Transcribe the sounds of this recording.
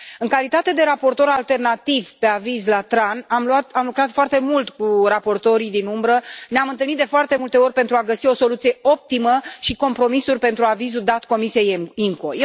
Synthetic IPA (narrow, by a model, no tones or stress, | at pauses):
ɨŋkalit̪at̪e̞d̪e̞ɾapo̞rt̪o̞ɾalt̪e̞rnat̪ivpe̞avizlat̪ɾanamluat̪amlukɾat̪foart̪e̞mult̪kurapo̞rt̪o̞ɾid̪inumbɾəneamɨnt̪ɨlnit̪d̪e̞foart̪e̞mult̪e̞o̞rʲpe̞nt̪ɾuaɡəsio̞so̞lut̪sije̞o̞p̚t̪iməʃiko̞mpɾo̞misurʲpe̞nt̪ɾuavizud̪at̪ko̞misije̞jiŋko̞j